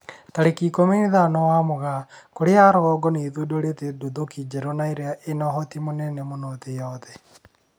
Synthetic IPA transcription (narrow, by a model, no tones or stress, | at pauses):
taɾekiːkomeniðanɔwamoɣakoɾeaːɾɔɣɔɡɔneːðudoɾetedodokid͡ʒɛɾɔnaeɾeaʔenɔɦɔtimonɛnɛmonotejɔðɛ